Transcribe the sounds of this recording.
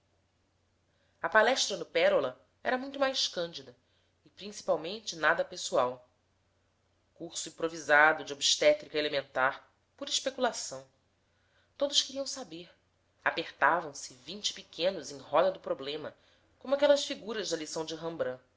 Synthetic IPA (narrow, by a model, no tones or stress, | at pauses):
ɐpalɛʃt̪ɾɐnʊpɛɾolɐ | ɛ̰ɾɐmũj̃t̪ʊmajʃkɐ̃nd͡ʒid̪ɐ | ɪpɾĩsi̥pawmẽnt͡ʃɪnad̪ɐpesuaw | kuχsʊĩpɾovizad̪ʊd͡ʒɪobiʃt̪ɛt̪ɾikɐelemẽnt̪aɾ | puɾiʃpekulasɐ̃w̃ | t̪od̪ʊʃkɪɾiɐ̃w̃sabeɾ | apeχt̪avɐ̃w̃sɪvĩnt͡ʃɪ̥pikʰẽnʊzẽj̃ɦɔd̪ɐd̪ʊpɾoblẽmɐ | kõmʊakɛlɐsfiɡuɾɐʒd̪ɐlisɐ̃w̃d͡ʒɪɦɐ̃mbɾɐ̃